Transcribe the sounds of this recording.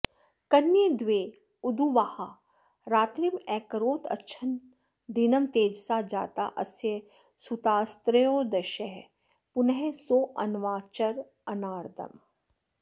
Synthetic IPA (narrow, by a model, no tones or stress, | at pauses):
kɐnjed̪ʋeː | ʊd̪uʋaːha | ɾaːt̪ɾimɛːkəɾoːt̪ɐ̰tːʃʰɐn | d̪inɐmt̪eːd͡ʒsaːd͡ʒa̰ːt̪aʔɐ̰sje | sut̪aːst̪ɾəjoːd̪ɐʃɛɦ | pʊnɦesoːʔɐnʋaːt͡ʃəɾ | ɐnaːɾd̪ʱɐ̰m